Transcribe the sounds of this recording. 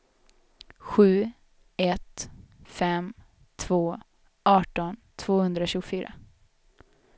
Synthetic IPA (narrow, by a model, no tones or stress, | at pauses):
ɧʉ̟ː | ɛt̪fɛm | t̪ʰv̥oː | ʔɑːʈɔnt̪ʰv̥oːhɵnd̪ɾaɕʉːɡʊfyːɾa̰